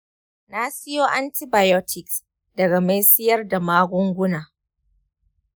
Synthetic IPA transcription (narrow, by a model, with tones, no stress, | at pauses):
na˦sɪ˦joː˦ʔa˦ntɪ˦baː˨jɔ˦tʰɪ˨ks | dɐ˨ɡa˨ma˦jsɪ˦jɐ˦rda˨maː˦ɡʷʊ˦ŋɡʷʊ˦naː˨